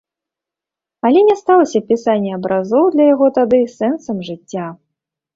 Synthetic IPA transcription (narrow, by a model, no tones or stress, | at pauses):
ɐlʲɛnʲɛst̪alˠɐsʲɐpʲisanʲːɛɐbɾazɔwd̪lʲɐjaɣɔt̪ad̪ɨsɛnsɐmʐɨt͡sʲːa